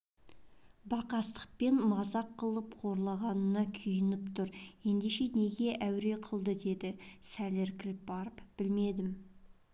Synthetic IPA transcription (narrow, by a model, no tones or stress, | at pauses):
bɑqɑst̪ə̥q̚pe̞nmɑzɑqʰːəlˠəpqʰo̞ɾlˠɑʁɑnənɑkʲʰʏjɪnɪpt̪ʰʊɾje̞nd̪e̞ʃe̞ne̞ɡʲe̞ʔæwɾe̞qʰəlˠd̪əd̪e̞d̪ɪsæleɾkʲɪlɪp̚bɑɾəpb̥ɪlme̞d̪ɪm